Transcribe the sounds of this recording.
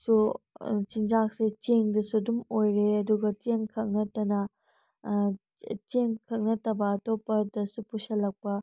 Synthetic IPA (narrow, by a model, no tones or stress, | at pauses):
sut͡ʃind͡ʒak̚set͡ʃeŋdɐsudumojɾeɐduɡɐteŋkʰɐk̚nɐtɐnɐ | teŋkʰɐk̚nɐtɐbɐːtopːɐdɐsupusɐlɐk̚pɐ